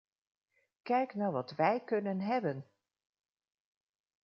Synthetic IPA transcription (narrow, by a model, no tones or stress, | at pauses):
kɛjknaːɹʋɑtʋɛjkɵnənɦɛbən